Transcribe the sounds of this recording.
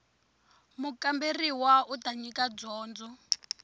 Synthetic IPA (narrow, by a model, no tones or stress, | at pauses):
mukamberiwautaɲikad͡zɔːnd͡zɔ